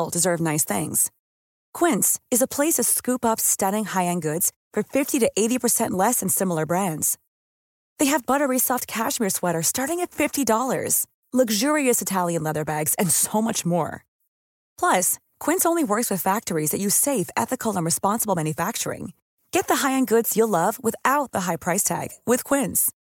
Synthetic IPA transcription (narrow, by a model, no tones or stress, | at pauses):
lˠdɨzɜ˞vnaɪsθɪ̰̃ŋz̥ | kʰw̥ɪ̃ntsɨzəpʰl̥eɪsʌv̥skʉpʌpstʌɾɪ̃ŋhaɪɨ̃nɡʊdz̥ | fə˞fɪftiɾɨʔeɪɾipʰə˞sɛ̃nʔlɛsɨ̃n̩sɪ̃ml̩ˠə˞bɹæ̃ndz̥ | ðeɪɨvbʌɾə˞ɹisɑft̚kʰæʃmɪɹswɛɾə˞stɑɹɾɪ̃ŋɨtfɪftidɔlˠə̰˞z̥ | lʌɡʒʊɹiɨsɨtʰælˠjɨ̃nlɛðə˞bæɡz̥ɨ̃nsoʊmʌt͡ʃmɔ̰ɹ | pʰl̥ʌs | kʰw̥ɪ̃nsõʊ̃nliwɜ˞kswɨð̥fæk̚tə˞izðɨt͡ʃɨseɪfɛ̰θɨkʰl̩ˠə̃nɹɨspɑ̃nsəbl̩ˠmæ̃njɨfæk̚t͡ʃə˞ɪ̰̃ŋ | ɡ̥ɛt̪̚ðɨɦaɪɨ̃nɡʊdz̥jəlʌvwɪθaʊt̪̚ðəɦaɪpʰɹ̥aɪstʰæ̰ɡ̥wɪð̥kʰw̥ɪ̃nz̥